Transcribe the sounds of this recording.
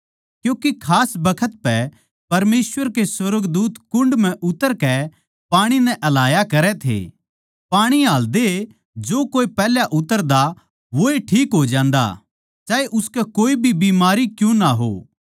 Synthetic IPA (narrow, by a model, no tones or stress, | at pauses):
kjũːkekʰaːsbɐkʰət̪̚pɛ | pɐɾmeːsʋəɾkeswɐɾəɡd̪uːt̪kʊ̃ɳɖmɛ̃ʔʊt̪ːəɾkɛ | paːɽ̃inɛ̃ʔɐlaːjakɐɾɛt̪ʰḛː | paːɽ̃iaːld̪e | d͡ʒoːkoːipɛːljaʔʊt̪ːəɾd̪a | ʋoeʈʰiːkɦod͡ʒãːnd̪a̰ | d͡ʒaːeʔʊskɛkoːibʱibiːmaːɾikjũnaɦo̰ː